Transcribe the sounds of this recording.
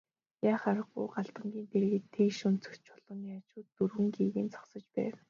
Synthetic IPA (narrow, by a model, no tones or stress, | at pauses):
jaːχaɾə̆ɢʊ̰jɢaɬt̪ə̆ŋɡʲiːnt̪ʰeɾɣɘ̆t̪ʰekʃunt͡sʰɵ̥t͡ɕɔɮɞ̆ŋjat͡ɕʊːt̪ːurwɘ̆ŋɡiːɣĭːnt͡sʰɔ̥χsɞ̆t͡ɕpæ̰ːw